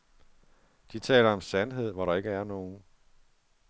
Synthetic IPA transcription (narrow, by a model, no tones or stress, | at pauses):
d̥it͡sʰɛ̰ːlɐɒ̽msænɦe̝ð̞̰ˠʋɒɾɑ̈e̝ɡ̥əæɐno̝ːn̩